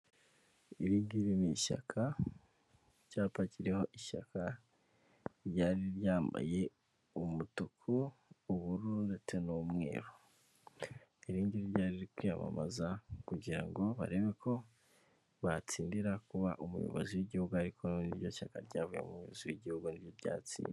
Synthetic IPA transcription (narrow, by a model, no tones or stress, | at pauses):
iɾiːɲɡiɾiniʃa̰kʰa | ɟaːpaciɾe̞ho̞ʔiʃa̰kʰa | ɾjaːɾiɾjaːmba̰je̞ | umutukʰuːβuɾundet͡senomŋe̞̰ːɾo | iɾiːɲɟiɾiɾjaːɾiɾikwijama̰mazakuɟiɾa̰ŋɡo̞βa̰ɾe̞βekʰo̞ | βat͡siːndiɾakuβa̰ʔumṵjo̰βo̰ziwiɟihuɡuaɾikʰonniɾjo̞ʃakaɾɟaːvujḛumujooziwiɟihuɡunibjoβɟa̰ːt͡sḭːndi